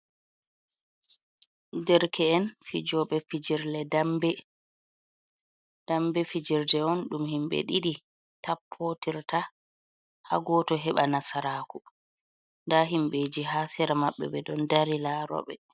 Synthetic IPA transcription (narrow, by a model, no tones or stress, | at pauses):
dɛɾkʰɛːnfid͡ʒɔɓɛfid͡ʒiɾlɛdambɛ | d̥ambɛfid͡ʒiɾdɛɔnɗumhimɓɛ̰ɗiɗi | tapʰːotiɾtʰa | ha̰ɡɔːtɔɦɛɓanasaɾaːku | ndaɦimɓed͡ʒiɦaːsɛɾamaɓːɛ̰bɛɗɔndaɾilaːɾɔ̰ɓɛ